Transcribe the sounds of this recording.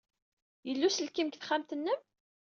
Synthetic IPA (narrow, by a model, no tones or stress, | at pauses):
jəlːusəlkimkθχæmt̪ənːəm